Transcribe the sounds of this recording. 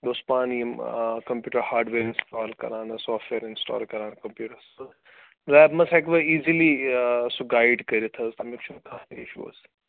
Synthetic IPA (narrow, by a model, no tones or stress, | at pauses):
d̪oːspaːniɐmkɐmpjuːʈəɾhaːɾɖʋeːɾɪnsʈaːlkɐ̰ɾãːnsɔːfʈʋeːɾɪnsʈɔ̰ːlkɐɾãːnkɐmpjuːʈəɾso | lɛːbmɐsɛkʋɐiːzilisoɡaːɪɖkɐɾit̪ʰɐsɐmikt͡ʃʰunkʰanḭʃṵːs